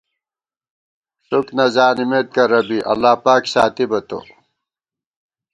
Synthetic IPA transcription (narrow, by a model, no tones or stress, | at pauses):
ɕuknɐzaːnimet̪̚kɐɾɐbiʔɐ̰lːaːpaːkɕaːt̪ibɐt̪o̰